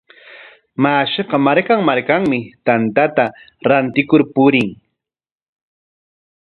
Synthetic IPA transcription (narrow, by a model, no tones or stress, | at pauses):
maːʃeqɑmaɾkaŋmaɾkaŋmɪt̪ant̪at̪a | ɾant̪ɪkʊɾpʊɾɪŋ